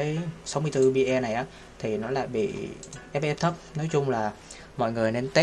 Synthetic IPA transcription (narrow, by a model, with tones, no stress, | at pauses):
ə˨˦jsa˨˦wmɨ˧jt̪ɨ˧ɓi˧ʔɛ˧na˨˩jʔaː˨˦ | t̪ʰi˨˩nɔ˨˦la̰ː˧˨jɓḭ˧˨ | ʔɛ˦˥p̚ʔɛ˦˥p̚t̪ʰə˦˥p̚nɔ˨˦jt͡ɕʊ˧ŋ͡mlaː˨˩ | mɔ̰˧˨jŋɨ˨˩əjne˧nt̪e˦˥